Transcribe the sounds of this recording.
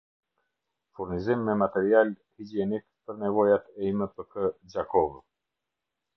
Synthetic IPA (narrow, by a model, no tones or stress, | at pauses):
fuɾnizimːɛmat̪ɛɾial | hid͡ʒiɛnikpəɾnɛvɔjat̪ɛiməpəkʰəd͡ʒakɔv